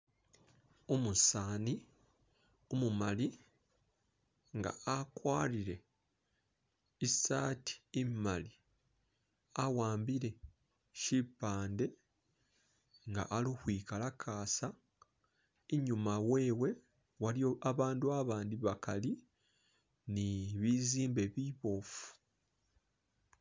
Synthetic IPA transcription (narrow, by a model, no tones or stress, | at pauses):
omusaːni | omumali | ŋɡa̰akwaːliɾe̞ | isaːtʰi̥imali | awaːmbiɾe̞ | ʃipːaːnde̞ | ŋɡa̰ʔalixwiːkalakʰaːsa | eɲumawe̞ːwe̞ | waliaβaːnduaβaːndiβakali | niβiziːmbe̞βiβo̞ːfu̥